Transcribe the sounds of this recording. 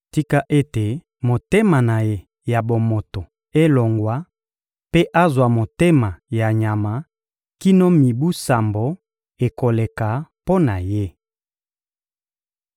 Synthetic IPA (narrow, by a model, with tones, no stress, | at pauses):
ti˦ka˦ʔe˦te˨ | mo˨te˦ma˨na˨je˦ | ja˨bo˨mo˨to˨ | e˦lo˨ŋɡwa˦ | pe˦ʔa˦zwa˨mo˨te˦ma˨ja˨ɲa˨ma˨ | ki˦no˦mi˨bu˦sa˨mbo˨ | e˨ko˨le˨ka˨po˦na˨je˦